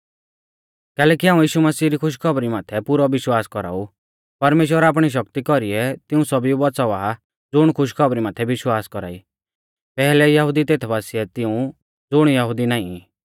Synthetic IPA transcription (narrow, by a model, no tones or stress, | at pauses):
kɛːlɛːkiɦaːũjiːʃumɐsiːɾikʰʊʃ̬kʰɔbɾimaːt̪ʰɛpʊɾɔʋɪʃwaːskɔɾa̰ːu | pɐɾmeːʃ̬wəɾaːp̬ɽ̃iʃ̬ɐkt̪ikɔɾiɛt̪ɪũsɔbiubɔt͡sɔʋaː | d͡zʊɽ̃kʰʊʃ̬kʰɔbɾimaːt̪ʰɛʋɪʃwaːskɔɾa̰ːḭ | pɛːɦlɛjɐɦʊd̪it̪eːt̪ʰbaːsiɛt̪ɪũ | d͡zʊɽ̃jɐɦʊd̪inaːĩ